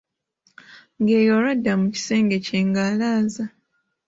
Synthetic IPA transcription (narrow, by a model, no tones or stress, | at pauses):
ŋɡe̞ːjoɾadːamuci̥se̞ːŋɡe̞ceːŋɡaːlaːza